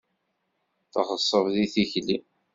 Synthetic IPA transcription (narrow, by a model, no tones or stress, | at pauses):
θʁəsˤːəvðiθiçli